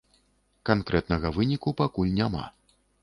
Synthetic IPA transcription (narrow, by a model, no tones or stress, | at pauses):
kankɾɛt̪nɐɣɐvɨnʲikupakulʲnʲama̰